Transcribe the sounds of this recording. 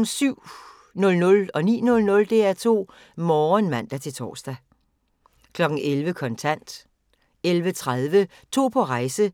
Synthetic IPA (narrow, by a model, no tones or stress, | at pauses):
syʊ̰ | nɔ̽lnɔ̽lɒ̽nḭːnɔ̽lnɔ̽ld̥e̝æɐt͡sʰo̝̰ː | mɒːnmæn̰d̥æt͡sʰe̝lt͡sʰɒ̰ːsd̥æ | kʰlɒ̽ɡ̥n̩ʔelʋəkʰɒ̽nt͡sʰæn̰d̥ | elʋət͡sʰʁaðˠʋə | t͡sʰo̝̰ːpʰɒ̽ʁɑ̈ɪsə